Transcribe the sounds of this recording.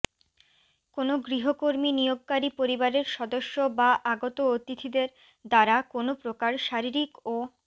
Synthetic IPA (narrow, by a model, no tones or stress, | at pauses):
konoɡɾiɦokoɾminijoɡ̚kaɾipoɾibaɾeɾʃɔd̪oʃːobaʔaɡot̪oot̪it̪ʰid̪eɾ | d̪aɾakonopɾokaɾʃaɾiɾiko